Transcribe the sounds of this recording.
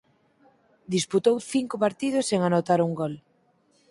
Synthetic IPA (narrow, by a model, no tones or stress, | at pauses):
d̪isput̪owθiŋkʊpaɾt̪iðʊseŋanot̪aɾuŋɡɔl